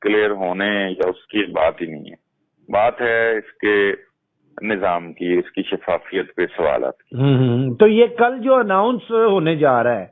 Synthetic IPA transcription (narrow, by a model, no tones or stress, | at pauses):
kleːəɾɦoːneɛ̃jaʊskiba̰ːt̪ɦinɐɦĩɦɛ̰ː | baːt̪ɦɛɪske | nɪzaːmkiʊskiʃɐfaːfijət̪pesɐʋa̰ːla̰ːt̪ki̥ɦːɦt̪oːjekɐld͡ʒoːɐnaːʊ̃nsɦoːned͡ʒaːɾaɛː